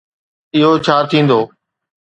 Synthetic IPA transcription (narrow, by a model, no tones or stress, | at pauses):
ɪɦot͡ʃʰaːɾt̪ʰĩːnd̪oː